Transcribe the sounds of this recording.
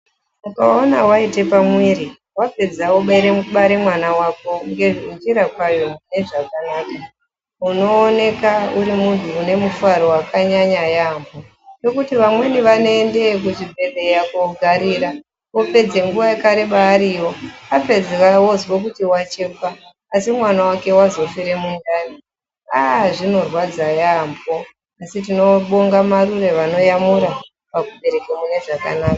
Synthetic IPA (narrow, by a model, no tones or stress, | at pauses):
mukaonawaite̞pamwiɾi | wape̞d͡zawoɓaiɾemuɓaɾemwanawako̞ŋɡe̞ʐiiɲd͡ʒiɾakwajoune̞ʐakanaːka | uno̞ːne̞kauɾimunbiune̞mufuaɾo̞wakaɲaɲajambo | no̞kutiʋamwe̞niʋanoende̞k̬uʐibʱe̞ɗe̞jakoɡʱaɾiːɾa | o̞pe̞d͡ze̞ŋɡuʋaekaɾeɓaːɾiwo̞ape̞d͡zerawo̞zwok̬utiwat͡ʃe̞faː | simwanawake̞wazo̞fiɾe̞mundani | aʐino̞rwad͡zajambo | asitino̞ɓo̞ŋɡamarure̞ʋano̞jamuɾa | pakuɓe̞ɾe̞kemune̞ʐaka̰naːkḁ